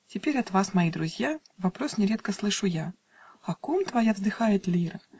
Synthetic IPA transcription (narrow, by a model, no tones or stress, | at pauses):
tʲɪpʲeɾʲɐt̪vasmɐjid̪ɾʊzʲja | vɐpɾosnʲɪɾʲeɛt̪kəslˠɨʂʊja | ɐkomt̪vɐjavzd̪ɨxajɪt̪lʲiɾɐ